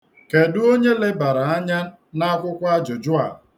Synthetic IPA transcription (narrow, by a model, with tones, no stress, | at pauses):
ke˨du˦o˦ɲe˦le˦ba˨ɾa˨a˦ɲa˦ | na˦kʷʊ˦kʷa˦d͡ʒʊ˨d͡ʒʊ˦a̰˨